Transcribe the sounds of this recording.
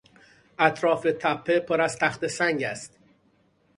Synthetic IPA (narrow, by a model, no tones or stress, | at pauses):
ʔæt̪ʰɾɒːfet̪ʰæpʰːe̞pʰoɾæz̥t̪ʰæxt̪e̞sæŋɟæst̪